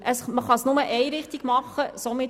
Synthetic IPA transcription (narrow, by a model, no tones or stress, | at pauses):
əsməχɑsnʊməʔɛɪɾɪχt̪iɡ̥mɑχːəsomɪ